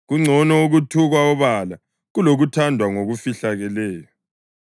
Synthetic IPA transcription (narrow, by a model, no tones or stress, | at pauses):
ɣuŋ͡ǀʱɔnɔuɣutʰuɣwaɔβala | ɣuloɣutʰandʱwaŋoɣufiɬaɣɛlɛːjɔ